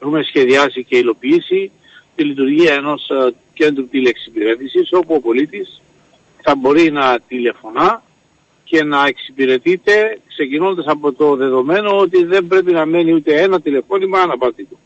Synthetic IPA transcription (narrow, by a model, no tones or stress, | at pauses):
exume̞sçe̞ðiɐsice̞ilo̞piisi | t̪ilit̪uɾʝiɐeno̞s | ce̞nd̪ɾut̪ileksipiɾe̞t̪isiso̞puo̞po̞lit̪is | θɐbo̞ɾinɐt̪ile̞fo̞nɐ | ce̞nɐeksipiɾe̞t̪it̪e̞kse̞cino̞nd̪ɐsɐpo̞t̪o̞ðe̞ðo̞me̞no̞ot̪̬iðe̞mbɾe̞pinɐme̞niut̪e̞e̞nɐt̪ile̞fo̞nimɐnɐpɐɾt̪it̪u